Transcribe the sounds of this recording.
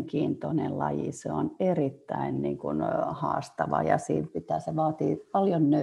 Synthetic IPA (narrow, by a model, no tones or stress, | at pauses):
ŋkiːnt̪onellɑjiseonerit̪ːæinniːŋkunhɑ̰ːst̪ɑʋɑ̰jɑsḭːmpit̪æːseʋɑːt̪iːpɑljonnø